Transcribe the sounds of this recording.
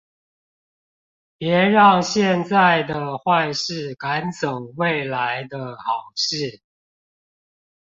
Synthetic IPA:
pjɛ˨˧˥ɻɑ˥˧ŋɕjɛ˥˧nt͡sa˥˨˩ɪd̪ə˩xwa˥˧ɪʂɻ̩˥˨ka˨˦nt͡sə˨˩ŋwe˥˨ɪla˧˦ɪd̪ə˧xɑ˨˩ʊʂɻ̩˥˨

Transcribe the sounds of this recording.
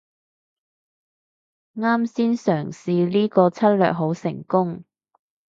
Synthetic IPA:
ŋaː˥msiː˥nsœː˨˩ŋsiː˨˧liː˥kɔː˧t͡sʰɐ˥t̚lœ̰ː˨k̚ɦo˨˥wsɪ˨˩ŋkʊ˥ŋ

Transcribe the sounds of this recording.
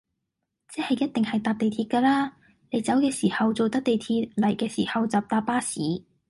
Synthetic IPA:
t͡sɛː˥hɐ˨jɐ˥t̚t̪ɪ˨ŋhɐ˨jt̪aː˧p̚t̪e˨jt̪ʰiː˧t̚kaː˧laː˥ | ne˨˥jt͡sɐ˨˥wkɛː˧siː˨˩hɐ˨wt͡so˨wt̪ɐ˥k̚t̪e˨jt̪ʰiː˧t̚lɐ˨˩jkɛː˧sḭː˨˩hɐ˨˧wt͡saː˨p̚t̪aː˧p̚ːaː˥siː˨˥

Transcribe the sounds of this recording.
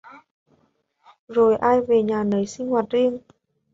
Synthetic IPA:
zo˨˩jʔaː˧jve˨˩ɲaː˨˩nə˨˦jsï˧ŋ̟hwaː˨˩t̚zi˧əŋ

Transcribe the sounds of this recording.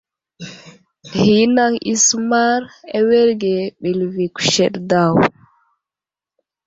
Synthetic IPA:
hi˨˦na˦ŋḭ˨sma˦ɾɛ˦we˦ɾɡɛ˨ɓi˨lvi˨ku̥ʃɛ˨ɗda˦˨w

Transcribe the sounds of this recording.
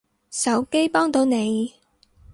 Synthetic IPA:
sɐ˨˥wke˥jpɔː˥ŋt̪o˨˧wne˨˧j

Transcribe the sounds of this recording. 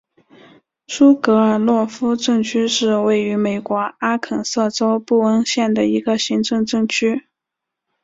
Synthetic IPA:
ʂu˥kɤ˧˥ə˞˨˩lwɔ˥˩fu˥ʈ͡ʂɤ˥˧ŋt͡ɕʰy˥ʂɻ̩˥˧we˥˩ɪy˧˥me˨˩ɪkwɔ˧˥a˥kʰə˨˩nsɤ˥˩ʈ͡ʂo˥ʊpu˥˩ə˥nɕjɛ˥˩nd̪ə˩i˧˥ɡə˧ɕi˧˥ŋʈ͡ʂɤ˥˧ŋʈ͡ʂɤ˥˩ŋt͡ɕʰy˥

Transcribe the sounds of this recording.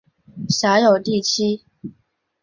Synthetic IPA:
ɕja˧˥˦jo˨˩ʊt̪i˥˨t͡ɕʰi˦

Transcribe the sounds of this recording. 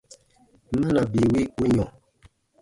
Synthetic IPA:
mə˦la˨bi˨wi˦u˦ɲɔ˨

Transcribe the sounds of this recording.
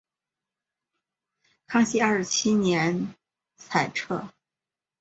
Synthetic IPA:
kʰɑ˥ŋɕi˥a˞˥˩ʂɻ̩˧t͡ɕʰi˥njɛ˧˥n | t͡sʰa˨˩ɪʈ͡ʂʰɤ˥˩

